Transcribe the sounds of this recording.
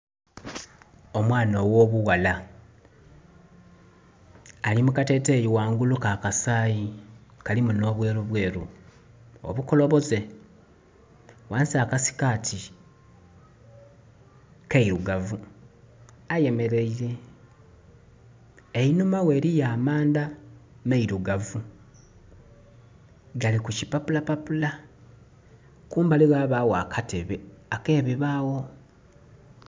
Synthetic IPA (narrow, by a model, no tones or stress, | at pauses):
o̞mwaːnowo̞ːβuwala | alimukate̞ːte̞ːjiwaːŋɡulukakasaːjikalimuno̞ːβwe̞ːɾuβwe̞ːɾṵ | o̞̰βuko̞lo̞βo̞ze̞ | waːnsiakasi̥kaːtʰi | keiɾuɡavu | aje̞me̞ɾe̞iɾe̞ | einumawe̞ːɾijaːmaːnda | meiɾuɡavu | ɡalikuci̥papulapapula | kuːmbaliɣwaːβawaːkʰatʰe̞βe̞ake̞ːβiβaːwo̞